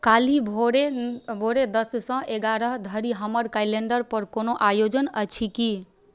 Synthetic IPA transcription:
kalibʱoɾebʱoɾed̪əssə̃ʔeɡaɾəɦd̪ʱəɾiɦəməɾkajleɳɖəɾpəɾkonoʔajod͡ʒənət͡ʃʰiki

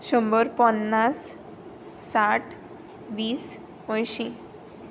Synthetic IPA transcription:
ɕəmbəɾpənːasː | aʈʰ | ʋiːs | ə̃jɕĩ

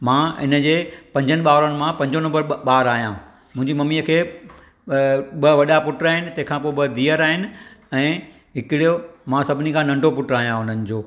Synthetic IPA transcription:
mãɪ̰nə̆d͡ʑeːpɐ̃ɲd͡ʑənɪ̆ɓaːʋɾənɪ̆mãpɐ̃ɲd͡ʑonɐ̃mbəɾɓaːɾaːɦijã | mʊ̃ɦɪ̃ɲd͡ʑimɐmiəkʰeː | ɓɐʋɐɗapʊʈɾaːɦɪnɪ̆t̪ɐ̃ɦɪ̃kʰãpoːɓɐd̪iːəɾaːɦɪnɪ̆ɛ̃ː | ɦɪkɪɽijomãsɐbʱɪnikʰãːnɐ̃ɳɖʱopʊʈɾaːɦijãɦʊn̤ənɪ̆d͡ʑoː

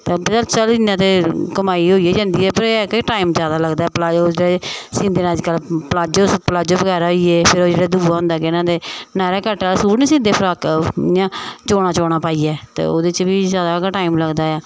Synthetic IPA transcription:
t̪ebt͡ʃəlt͡ʃəlɪnãːt̪̬eːkəmaːiːɦoːieːd͡ʒãːnd̪iːɛːpəɾkiʈaːimzaːd̪aːləɡd̪aːɛːplaːoːd͡ʒeːɽesɪ̃ːnd̪eːnːd͡ʒkəlpəlaːd͡ʒoːspəlaːd͡ʒoːbəɡɛːɾaɦoiːeːpʰɪɾoːd͡ʒeːɽaːd̪uːʋaːɦʊ̃nd̪aːkɪɪnãːd̪eːnaːɾeːkəʈːasuːɾnĩːsĩːnd̪eːpʰɪɾaːkːãːt͡ʃoːɽ̃ãːt͡ʃɔːɽ̃aːpaːiːɛːt̪ḛːo̰ːd̪et͡ʃʋiːzjaːd̪aːkaʈaːimləɡd̪aːɛː

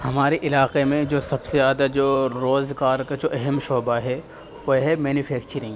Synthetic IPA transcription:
hɐmaːɾeʔɪlaːqemẽd͡ʒoːsɐbsejaːd̪ad͡ʒoːɾoːzɡaːɾkad͡ʒoːʔɛɦɛmʃoːbaɦɛ | ʋoɦɛmɛːnufʰɛːkt͡ʃəɾɪ̃ŋɡ

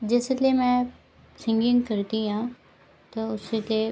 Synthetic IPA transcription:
d͡ʑesliemɛ̃ | sɪ̃ŋɡɪ̃ŋɡkɐɾt̪iɦãː | t̪ɐʊselie

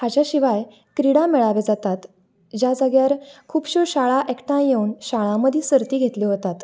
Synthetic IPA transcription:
hat͡ɕjaɕiʋaj | kɾiɽamɛɭaʋed͡zat̪at̪ | d͡ʑjad͡zəɡjaɾkʰuːpɕuɾɕaɭaʔekʈãjjeuːnɕaɭãməd̪ʱjisəɾt̪iːɡʱet̪liːɦot̪at̪

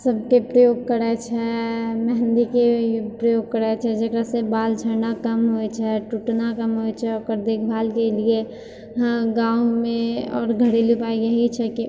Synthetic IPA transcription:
səb̚kepɾəjoːɡ̚kəɾɛt͡ʃʰɛmɛɦə̃nd̪ikepɾəjoːɡ̚kəɾɛt͡ʃʰɛd͡ʒəkɾasebaːld͡ʒʰʱənakəmɦojt͡ʃʰɛʈuʈnakəmɦojt͡ʃʰɛɔːɾkəɾd̪eːk̚ʰbʱaːlkelie | ɡãːumẽɔːɾɡʱəɽelupaːiɡəɦit͡ʃʰɛki

